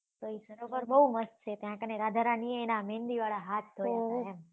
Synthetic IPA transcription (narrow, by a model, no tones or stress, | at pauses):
t̪oisəɾopəɾbəɦuməst̪t͡ʃʰet̪jãkəneɾad̪ʱaɾanieenamẽnd̪iʋaɭaɦat̪̚ʰd̪ʱojeaɛm